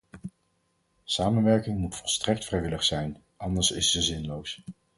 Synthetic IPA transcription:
saːmənʋɛɹkɪŋmutfɔlˠstrɛk̚tfrɛjʋɪləχsɛjn | ʔɑndəɹsɪsːəzɪnlows

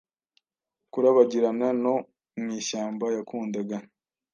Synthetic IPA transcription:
kuɾaβaɟiɾanano̞ | mŋiːʃaːmbajakuːndaɡa

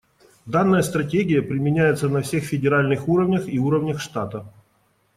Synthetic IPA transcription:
d̪anːəjəst̪ɾɐtʲeɡʲɪjəpɾʲɪmʲɪnʲæjɪt̪sənɐfsʲe̞xfʲɪdʲɪɾalʲnɨxuɾəvnʲəxiuɾəvnʲəxʂt̪at̪ə

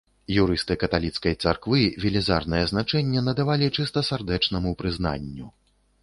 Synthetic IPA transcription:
juɾɨst̪ɨkɐt̪alʲit̪skɐjt̪sarkvɨvʲilʲiza̰rnɐjɛznat͡ʂɛnʲːɛnɐd̪avalʲit͡ʂɨst̪ɐsʲard̪ɛt͡ʂnɐmupɾɨzna̰nʲːu

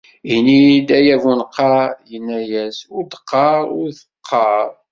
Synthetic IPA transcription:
inid̪æjævunqːɑjənːæjæsʊɾd̪ə̥qːɑɾˤʊɾθ | qʰːɑɾˤ

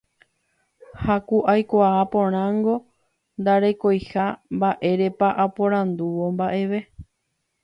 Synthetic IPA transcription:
hakuʔajkʷaːpõ̞ɾ̃ãŋɡo̞ | nd̪aɾe̞ko̞jhambaʔe̞ɾe̞paʔapõɾ̃ãnd̪uʋo̞mbaʔe̞ʋe̞

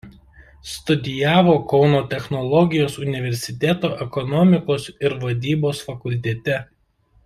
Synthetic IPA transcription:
st̪ʊd̪ʲɪjæːʋoːkɒʊnoːt̪ʲɛxnɔlˠɔɡʲɪjoːsʊnʲɪʋʲɛɾʲsʲɪt̪ʲɛˑt̪oːʔɛkɔnɔmʲɪkoːsɪɾʋɐd̪ʲiːboːsfɐkʊlʲt̪ʲɛt̪ʲɛ

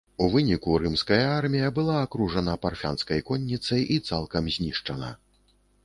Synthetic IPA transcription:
uvɨnʲikuɾɨmskɐjɐarmʲijɐbɨlˠaːkɾuʐɐnɐparfʲa̰nskɐjkɔnʲːit̪sɐjʔit̪salˠkɐmzʲnʲiʂt͡ʂɐnɐ̰

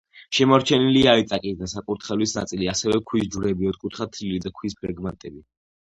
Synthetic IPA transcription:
ʃɛmɔɾt͡ʃʰɛniliaɾit̪sʼakʼizd̪asakʼuɾt̪ʰχɛlisna̰t̪sʼiliasɛvɛkʰwisd͡ʒuɾɛbiɔd̪̚kʼut̪ʰχat̪ʰilid̪akʰwispʰɾɛɡmant̪ʼɛbi

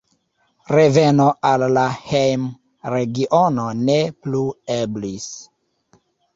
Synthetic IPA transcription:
ɾe̞ve̞no̞alːahejm | ɾe̞ɡiʔono̞neplueblis

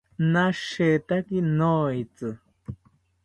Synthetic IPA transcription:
naʃet̪akinoit͡sɨ

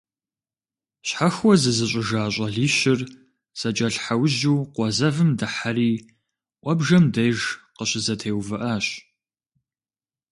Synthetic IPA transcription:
ɕħaxʷwɔzɨzɨɕʼɪʒaːɕʼɐɮiːɕɪr | z̥ɐt͡ʃʼɐɬħawʑuːqʷɔzɐvɨmdɨħariː | ʔʷʼɔbʒɐmdɐjʒqəɕɪzɐtʰeːwvɨʔaːɕ

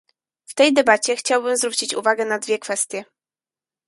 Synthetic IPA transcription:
ft̪ɛjd̪ɛbat͡ɕɛxt͡ɕawbɘmzvɾut͡ɕit͡ɕṵvaɡɛnad̪vʲjɛkfɛst̪ʲjɛ

